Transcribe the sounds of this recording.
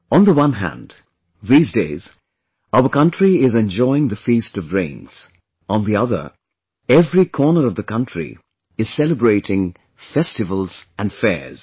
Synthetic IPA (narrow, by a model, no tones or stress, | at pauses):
ʔə̃nðəwʌ̃nɦæ̰̃nd | ðiːzdeɪz | aʊə˞kʌ̃ntɹ̥iɪzɛ̃nd͡ʒɔɪɪ̃ŋðɨfistʌvɹẽɪ̃nz̥ | ʔə̃nðiʌðə̰˞ | ɛvɹikʰɔɹnə˞ʌvðɨkʰʌ̃ntɹ̥ḭ | ɨz̥sɛlˠəbɹeɪɾɪ̃ŋ | fɛstɨvəlˠzɨ̃nfɛ̰ɹz̥